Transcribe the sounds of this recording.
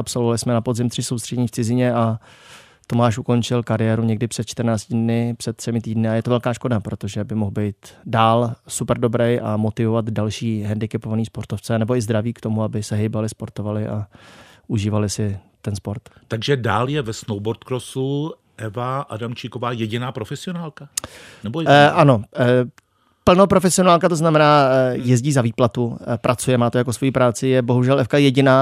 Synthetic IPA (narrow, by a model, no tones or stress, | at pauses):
ʔapsolvoalɪsmɛnapozɪmt̪r̝̥ɪsowst̪r̥ɛɲiːft͡sɪzɪɲɛʔa | t̪o̞maːʃʔuko̞nt͡ʃɪlkaɾɪjɛːɾuɲɛɡdɪpr̝̥ɛt̪̚t͡ʃt̪ɾnaːt͡scɪdnɪpr̥ɛt̪t̪ːr̥ɛmɪt̪iːdnɪajɛt̪ovɛlkaːʃko̞dapɾo̞t̪oʒɛbɪmoɣbɛjt̪daːlsupɛɾdo̞bɾɛjʔamo̞t̪ɪvo̞vat̪dalʃiːɦɛndɪkɛpovaniːspo̞ɾt̪oft͡sɛanɛboɪzd̪ɾaviːkt̪o̞muabɪsɛɦejbalɪspo̞ɾt̪o̞valɪʔaʔuʒiːvalɪsɪt̪ɛnspo̞ɾt̪t̪aɡʒɛdaːljɛvɛsnowboɾt̪kɾosu | ʔɛvaʔadamt͡ʃikovaːjɛɟɪnaːpɾofɛsɪonaːlka | nɛbojɛʔano̞ | pl̩nopɾo̞fɛsɪonaːlkat̪o̞znamɛnaːjɛzɟiːzaviːplat̪upɾʔat͡sujɛmaːt̪ojakosvo̞jiːpɾaːt͡sɪjɛbo̞ɦuʒɛlʔɛfkajɛɟɪnaː